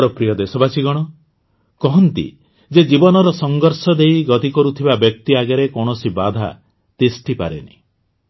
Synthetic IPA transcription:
ɾɔpɾijɔd̪esɔbasiɡɔɽ̃ɔ | kɔɦɔnt̪ḭ | d͡ʒed͡ʒibɔnɔɾɔsɔŋɡɔɾsɔd̪ejɡɔt̪ikɔɾut̪ʰibabjɔk̚t̪iaɡaɾekɔɽ̃ɔsibad̪ʱa̰ | t̪esʈipaɾenḭ

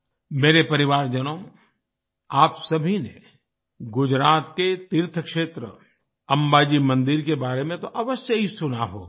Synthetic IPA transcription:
meːɾepɐɾɪʋaːɾd͡ʒɐnõ | aːpsɐbʱinḛ | ɡʊd͡ʒɾaːt̪ket̪ɪɾt̪ʰəkʃeːt̪ɾə̰ | ɐ̃mbaːd͡ʒimɐ̃nd̪ɪɾkebaːɾemẽt̪oʔɐʋəsjəɦisʊnaɦo̰

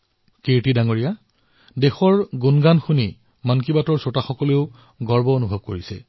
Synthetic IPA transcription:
keɹtidaŋoɹija | dexɔɹɡunɡanxuni | mankibatɔɹsɔtaxɔkɔleʊ | ɡɔɹbɔonubʱɔb̚koɹisɛ

